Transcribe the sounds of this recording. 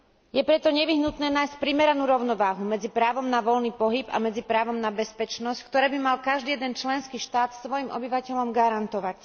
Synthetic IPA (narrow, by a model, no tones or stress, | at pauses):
jɛpɾɛt̪ɔɲɛʋiɦnut̪nɛːnaːjsc̚pɾimɛɾanuːɾɔʊnɔʋaːɦumɛd͡zipɾaːʋɔmnaʋɔlniːpɔɦiba̰mɛd͡zipɾaːʋɔmnabɛspɛt͡ʃnɔsckt̪ɔɾɛːbimalkaʒd̪iːjɛd̪ɛnt͡ʃlɛnskiːʃt̪aːt̪sʋɔjimʔɔbiʋacɛʎɔmɡaɾant̪ɔʋac